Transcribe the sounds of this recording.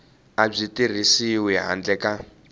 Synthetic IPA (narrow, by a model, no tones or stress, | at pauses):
ab͡ʐitir̤isiwɛɦa̰nd͡ɮɛkʼa